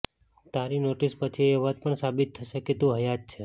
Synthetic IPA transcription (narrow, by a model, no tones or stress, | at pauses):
t̪aɾinoʈispət͡ʃʰieʋat̪̚pəɳsabit̪ʰːəʃeket̪ũɦəjat̚t͡ʃʰe